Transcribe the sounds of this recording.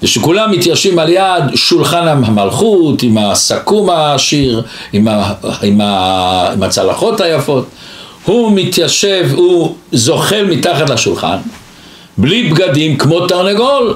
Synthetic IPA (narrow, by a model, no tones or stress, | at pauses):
veʃekulamːit̪jaʃvimaljad̪ʃulχanahamalχut̪imasakumaːʃiʁimaimaimat͡salaχo̞t̪hajafo̞t̪ | humit̪jaʃevhuzo̞χe̞lmit̪aχat̪laʃulχa̰n | blibɡadimkmo̞t̪aʁneɡol